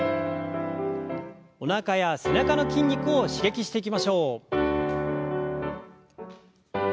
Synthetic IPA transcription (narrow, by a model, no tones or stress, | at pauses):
o̞nakajase̞nakano̞kʲĩɲʲːikɯ̟oɕiɡe̞kʲiɕi̥t̪e̞ikʲimaɕo̞ː